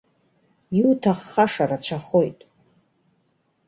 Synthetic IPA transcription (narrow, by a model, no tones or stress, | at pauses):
iutʰaχːaʂarat͡ɕʷʰaχo̞jtʼ